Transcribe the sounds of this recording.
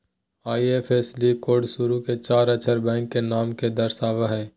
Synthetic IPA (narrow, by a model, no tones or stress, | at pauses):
aːiepʰeːslikoːɖsʊɾuket͡ʃaːɾət͡ʃʰəɾbɛ̃ːŋkːenaːmked̪ɐɾsaːʋaɦɛ̃ː